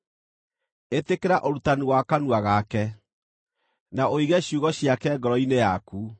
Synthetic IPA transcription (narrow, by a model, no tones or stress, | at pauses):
etekeɾaʔoɾutaniwakanuaɣakɛ | naoiɣɛɕjuɣɔɕjakɛɡɔɾɔinejaku